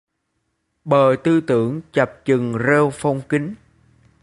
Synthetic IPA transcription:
ɓəː˨˩t̪ɨ˧t̪ɨ˧˦əŋt͡ɕə˨˩p̚t͡ɕɨ˨˩ŋze˧wfɔ˧wŋ͡mki˨˦ŋ

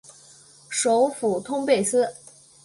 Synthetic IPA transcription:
ʂo˧˥ʊfu˨˩t̪ʰʊ˥ŋpe˥˩ɪsɹ̩˥

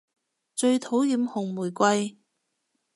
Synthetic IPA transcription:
t͡ʃɵ˧ɥt̪ʰo˨˥wjiː˧mhʊ˨˩ŋmuː˨˩jkʷɐ˧j

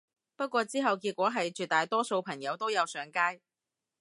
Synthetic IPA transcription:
pɐ˥t̚kʷɔː˧t͡siː˥ɦɐ˨wkiː˧t̚kʷɔː˨˥ɦɐ˨jt͡ʃyː˨t̪aː˨jt̪ɔː˥so˧wpʰɐ˨˩ŋjɐ˨˧wt̪o˥wjɐ˨˧wsœː˨˥ŋkaː˥j

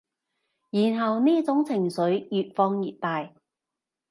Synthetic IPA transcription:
jiː˨˩nɦɐ˨wniː˥t͡sʊ˨˥ŋt͡sʰɪ˨˩ŋsɵ˨˥ɥjyː˨t̚fɔː˧ŋjiː˨t̚t̪aː˨j

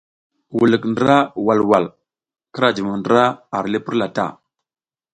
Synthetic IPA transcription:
wu˨lə˨kndə˦ɾa˦wa˨lwa˨l | kə˦ɾa˨d͡ʒə˨ma˨ndə˦ɾa˦a˨ɾli˦pə˦ɾla˨ta̰˦˨

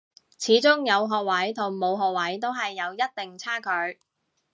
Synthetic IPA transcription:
t͡sʰiː˨˥t͡sʊ˥ŋjɐ˨˧wɦɔː˨˧k̚wɐ˨˥jt̪ʰʊ˨˩ŋmo˨˧wɦɔː˨k̚wɐ˨˥jt̪o˥wɦɐ˨jːɐ˨˧wjɐ˥t̚t̪ɪ˨ŋt͡sʰaː˥kʰɵ˨˧ɥ

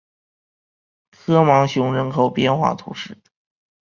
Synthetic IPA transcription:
kʰɤ˥mɑ˧˥ŋɕjʊ˧˥ŋɻə˧˥nkʰo˨˩ʊpjɛ˥nxwa̰˥˩t̪ʰṵ˧˥ʂɻ̩˥˩

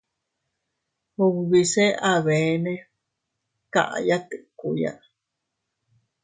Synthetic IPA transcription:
hu˧ββi˧˨se˦a˨βe˨˦nẽ˦ | ka̰˨ʔa̰˨ja˦t̪ɨ˨ʔku˧ja̰˦

